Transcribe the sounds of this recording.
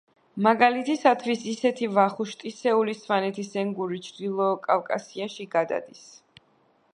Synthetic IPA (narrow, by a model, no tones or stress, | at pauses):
maɡalit̪ʰisat̪ʰvisisɛt̪ʰivaχuʃt̪ʼisɛulisvanɛt̪ʰisɛŋɡuɾit͡ʃʰd̪ilˠɔkʼavkʼa̰siaʃiɡad̪a̰d̪is